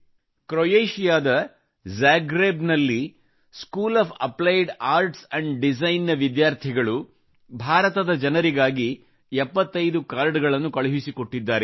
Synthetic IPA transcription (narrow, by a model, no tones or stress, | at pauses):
kɾoːjeːʃijaːd̪ɐ | d͡ʒaːɡɾeːbnɐlːi | skuːlaːpʰɐ̰plɐjɖaːɾʈsɐɳɖɖid͡ʒɐjnːɐʋid̪jaːɾt̪ʰiɡɐɭu | bʱaːɾɐt̪ɐd̪ɐd͡ʒɐnɐɾiɡaːɡi | ɛpːɐt̪ːɐjd̪ukaːɾɖɡɐɭɐnːukɐɭuɦisikoʈːid̪ːaːɾe